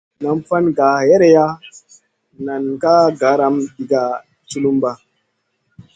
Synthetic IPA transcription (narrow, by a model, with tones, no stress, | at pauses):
na˨mfa˦nɡa˨je˦ɾe˨ja˦ | na˨nka˦ɡa˨˦ɾa˨mɗi˨ɡa˨ | t͡ʃu˦lu˦mba˦